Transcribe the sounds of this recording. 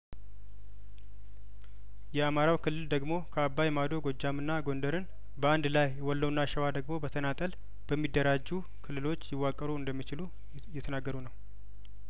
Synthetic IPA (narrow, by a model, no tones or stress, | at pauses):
jɛamaɾawkʰɨlːɨld̪əɡmo̞kʰəabːajɛmad̪o̞ɡo̞d͡ʒːamɨnːaɡo̞nd̪əɾɨn | bəand̪lajwɔlːəwnːaʃɛwad̪əɡmo̞bət̪ʰənat̪ʼəl | b̥əmːid̪ːəɾad͡ʒːu | kʰɨlːɨlo̞t͡ʃːjɪwːakʼːəɾuɨnd̪əmːit͡ʃɪlu | jɛt̪ʰənaɡːəɾunəw